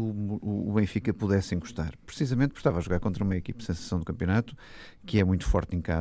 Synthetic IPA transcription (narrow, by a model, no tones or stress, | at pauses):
uuːβẽj̃fikɐpuðɛsẽj̃ɡuʃt̪a̰ɾpɾɨsizɐmẽnt̪pu̥ɾʃt̪avaʒuɣaɾkõnt̪ɾɐumɐikipɐsẽsɐ̥sɐ̃w̃d̪ukɐ̃mpjunat̪u̥ | kɨɛmũj̃t̪u̥fɔ̰ɾt̪ẽka̰